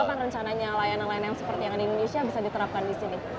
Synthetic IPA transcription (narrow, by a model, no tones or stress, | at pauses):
akanrəɲt͡ʃanaɲalajanalajanjaŋsə̥pərt̪ijaŋadaindonesiabisadit̪əɾap̚kandisini